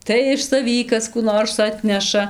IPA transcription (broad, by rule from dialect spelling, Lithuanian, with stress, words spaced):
tɐɪ ɪʃ sɐˈʋʲiː ˈkɐs kuː ˈnoːrs ˈɑːtʲnʲɛʃɐ